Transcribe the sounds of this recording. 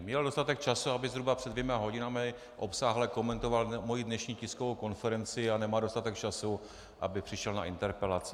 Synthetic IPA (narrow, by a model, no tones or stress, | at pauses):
mɲɛldost̪at̪ɛk̚t͡ʃasuabɪzɦɾubapr̥ɛdvjɛmaɦo̞ɟɪnamɪ | ʔo̞psaːɦlɛko̞mɛnt̪o̞valmo̞jidnɛʃɲiːcɪskovowko̞nfɛɾɛnt͡sɪanɛmaːdo̞st̪at̪ɛk̚t͡ʃasu | ʔa̰bɪpr̝̥ɪʃɛlnaʔɪnt̪ɛɾpɛlat͡sɪ